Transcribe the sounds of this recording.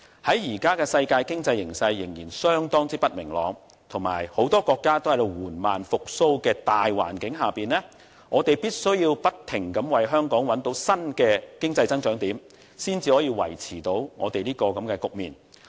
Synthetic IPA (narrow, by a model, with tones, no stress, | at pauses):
hɐ˨˥jjiː˨˩kaː˥kɛː˧sɐ˧jkaː˧jkɪ˥ŋt͡sɐ˧jːɪ˨˩ŋsɐ˧jːɪ˨˩ŋjiː˨˩nsœː˥ŋt̪ɔː˥ŋt͡siː˥pɐ˥t̚mɪ˨˩ŋlɔ̰ː˨˧ŋ | t̪ʰʊ˨˩ŋma̰ː˨˩jho˨˥wt̪ɔː˥kɔː˧kːaː˥t̪o˥whɐ˨˩jwuː˨˩nmaː˨nfʊ˨k̚so˥wkɛː˧t̪aː˨jwa̰ː˨˩nkɪ˨˥ŋɦaː˨piː˨nlɛː˥ | ŋɔː˨˧t̪e˨jpiː˥t̚sɵ˥ɥjiː˧wpɐ˥t̚t̪ʰɪ˨˩ŋkɐ˨˥mwɐ˨jɦœː˥ŋkɔː˨˥ŋwɐ˨˥nt̪o˨˥wsɐ˥nkɛː˧kɪ˥ŋt͡sɐ˧jt͡sɐ˥ŋt͡ʃœː˨˥ŋt̪iː˨˥m | siː˥nt͡siː˧hɔː˨˥jiː˧wɐ̰˨˩jt͡sʰiː˨˩t̪o˨˥wŋɔ̰ː˨˧t̪e˨jliː˥kɔː˧kɐ˨˦˥mkɛː˧kʊ˨k̚miː˨n